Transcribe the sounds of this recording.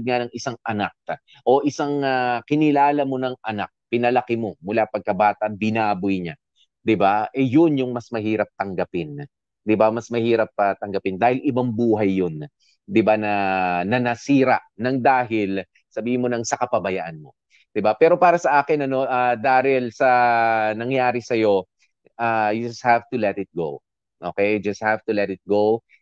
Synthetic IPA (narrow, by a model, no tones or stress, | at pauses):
d̪̚ŋanɐŋɪsaŋʔɐnak̚ | ʔo̞ʔɪsaŋakɪnɪlaːlɐmo̞nɐŋɐnak̚pɪnɐlɐkɪmo̞mʊlapɐɡ̚kɐbaːt̪ɐbɪnaːbʊjɲa | d̪ɪbaʔɛjonjʊŋmɐsmɐhiːɾɐp̚t̪ɐŋɡɐpɪn | d̪ɪbamɐsmɐhiːɾɐp̚ɐt̪ɐŋɡɐpɪnd̪aːhɪlʔɪbaŋbuːɦɐjːon | d̪ɪbanɐnɐnɐsiːɾɐʔnɐŋd̪aːɦɪl | sɐbiːhɪnmonɐŋsɐkɐpɐbɐjaʔɐnmo̞ | d̪ɪbapɛːɾo̞paːɾɐsɐʔaːkɪnɐno̞ʔad̪aːɾɪlsɐnɐŋjaːɾɪsɐjo̞ | ʔaːd͡ʒɐst̪̚havt̪ulɛt̪ɪt̪̚ɡow | ʔoːkɛjd͡ʒɐst̪̚havt̪ʊlɛt̪ɪt̪̚ɡow